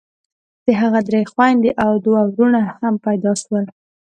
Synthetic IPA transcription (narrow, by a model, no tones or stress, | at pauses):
d̪̥əɦaɣad̪ɾejxwajnd̪eʔawd̪wawɾunahampajd̪ɑʃwəl